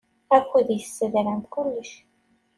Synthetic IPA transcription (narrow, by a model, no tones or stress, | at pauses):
ækʷːiðjsːəðɾænt̪kʊlːəʃ